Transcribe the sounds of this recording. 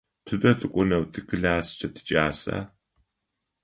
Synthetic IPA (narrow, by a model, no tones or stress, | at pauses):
pʰɨdɐtʰɨkʷʼʊnɐwtʰɨkʰɨɮaːst͡ʃʰɐtʰɨ̥t͡ʃʼaːsa̰ː